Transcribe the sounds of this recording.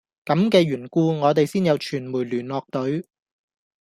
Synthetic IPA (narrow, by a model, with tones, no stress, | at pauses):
kɐ˨˥mkɛː˧ɥyː˨˩nkuː˧ŋɔː˨˧t̪̬e˨jsiː˥njɐ˨˧wt͡ʃʰyː˨˩nmuː˨˩jlyː˨˩nlɔː˨k̚t̪ɵ˨˥ɥ